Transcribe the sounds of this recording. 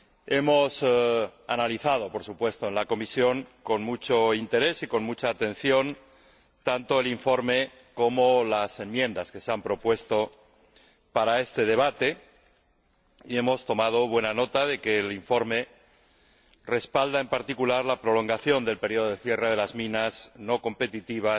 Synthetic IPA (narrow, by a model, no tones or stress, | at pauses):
e̞mo̞sa̰naliθað̞o̞po̞ɾsupwe̞st̪oenlako̞misjo̞ŋko̞nmut͡ʃoint̪e̞ɾe̞siko̞nmut͡ʃaːt̪ẽ̞n̟θjo̞n | t̪ant̪o̞eliɱfo̞ɾme̞ | ko̞molase̞mmjẽ̞nd̪aske̞seampɾo̞pwe̞st̪o̞ | paɾae̞st̪e̞ð̞e̞β̞at̪e̞ | ie̞mo̞st̪o̞mað̞o̞β̞we̞nano̞t̪aðe̞ke̞ːliɱfo̞ɾme̞ | re̞spald̪ae̞mpaɾt̪ikulaɾlapɾo̞lo̞ŋɡaθjo̞nd̪e̞lpeɾioðoeθje̞reðe̞lazmĩnasno̞ko̞mpe̞t̪it̪iβ̞a